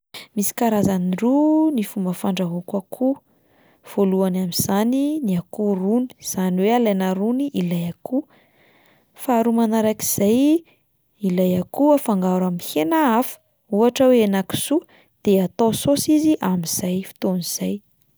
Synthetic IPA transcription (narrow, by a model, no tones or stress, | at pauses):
misi̥kaɾazanirunifumbəfaɳɖ͡ʐaɦukakʰu | v̥oluanamiz̥aniniakuruni̥z̥aniwealenaɾuniʔilajaku | faːɾumanaɾaki̥z̥aj | ilajakuafaŋɡaɾamihenaafə̥ | uaʈ͡ʂəweenaki̥su | d̪̥eat̪ososiziʔamiz̥ajfi̥t̪oniz̥aj